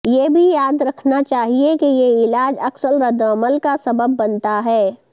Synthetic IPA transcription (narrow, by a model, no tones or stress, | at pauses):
jebʱijaːd̪ɾɐkʰnat͡ʃaːɦiekijeɪlaːd͡ʒɐksəlɾɐd̪əməlkasɐbəbːɐnt̪aɦɛː